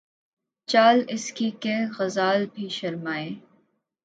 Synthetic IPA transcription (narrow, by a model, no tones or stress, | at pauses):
t͡ʃaːlɪskiːkeːɣɐzaːlbʱiːʃɐɾmaːeː